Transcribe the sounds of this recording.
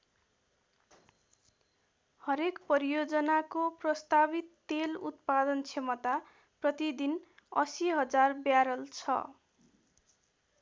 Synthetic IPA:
hʌɾekpʌɾijod͡zʌnakoprʌst̪abit̪ːelṵt̪pad̪ʌnt͡sʰemʌt̪a | prʌt̪id̪in | ʌ̰siɦʌd͡zarbjaɾʌlt͡sʰʌ̰

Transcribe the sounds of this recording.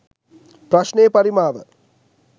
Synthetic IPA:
prɐʂneːpɐɾimaːʋə̰

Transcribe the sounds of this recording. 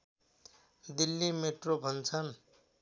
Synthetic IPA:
d̪ilːimeʈrobʱʌnt͡sʰʌn

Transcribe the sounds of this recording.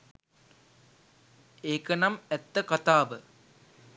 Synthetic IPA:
eːkənɐmɛt̪ːəkɐt̪aːʋə

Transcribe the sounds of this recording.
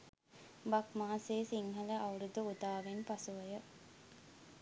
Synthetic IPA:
bakmaːseːsiŋɦɐləʔawɾud̪uud̪aːʋenpasuʋəjə

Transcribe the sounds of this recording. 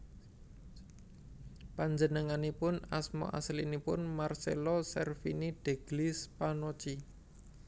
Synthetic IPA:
paɲd͡ʒənəŋanipʊnasmɔ̰ʔa̰slinipʊnmarsḛlɔsɛrfinid̥e̤ɡ̥lispanɔt͡ʃi

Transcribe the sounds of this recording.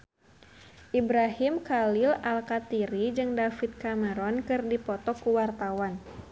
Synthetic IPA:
ʔibɾaɦimkalɪlalkat̪iɾid͡ʒɨŋdafit̪̚kaməɾɔnkɨrdipɔt̪ɔkuwart̪awan

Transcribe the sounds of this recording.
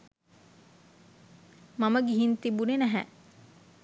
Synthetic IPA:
maməɡiɦint̪ibunenæɦæ̰

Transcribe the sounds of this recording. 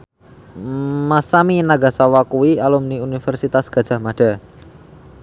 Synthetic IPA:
masaminaɡa̤sawakuwialumniunifɛrsit̪asɡ̥a̤̥ʒ̥a̤hmaɖ̥a̤

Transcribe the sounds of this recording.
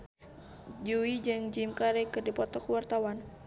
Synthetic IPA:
d͡ʒuid͡ʒɨŋd͡ʒimkaɾɛkɨrdipɔt̪ɔkəwart̪awan

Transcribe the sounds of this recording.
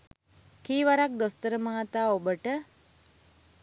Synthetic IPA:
kiːʋaɾak̚d̪ost̪əɾəməat̪aːobəʈə

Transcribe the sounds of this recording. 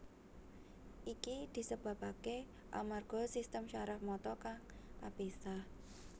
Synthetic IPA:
ʔikid̪̥i̤səb̥ä̤pake | ʔa̰marɡ̥ɔ̤sist̪əmʃaɾahmɔt̪ɔkaŋkabesah

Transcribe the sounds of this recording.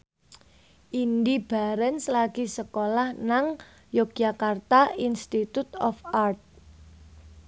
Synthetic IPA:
ʔind̪ib̥a̤ɾɛnslaɡ̥isəkolahnaŋ | jok̚d͡ʒakart̪ainst̪it̪ut̪ɔfart̪̚

